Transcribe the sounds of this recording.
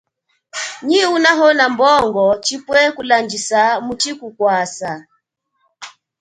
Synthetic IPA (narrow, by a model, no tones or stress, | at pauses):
ɲiunaɦɔnambɔŋɡɔt͡ʃipwɛkuland͡ʒisamut͡ʃikukwasa